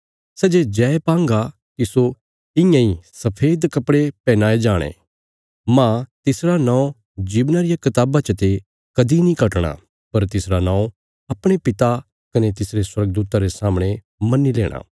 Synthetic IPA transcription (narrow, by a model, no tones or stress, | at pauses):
sɛːd͡ʒed͡ʒɛːpãːŋɡa | kiso | ɪ̃jãːĩsɐpʰeːd̪kɐpɽepɛ̃ːnaːed͡ʒaːɽ̃ḛ̃ː | mãt̪ɪsɾanãːõ | d͡ʒiːbnaɾɪjakɪt̪aːbat͡ʃət̪e | kɐd̪inĩkɐʈɽ̃a̰ | pɐɾt̪ɪsɾanãːõ | ɐpɽ̃epɪt̪a | kɐnet̪ɪsɾeswɐɾɡ̚d̪uːt̪aɾesaːmɽ̃e | mɐnːilḛːɽ̃a̰ː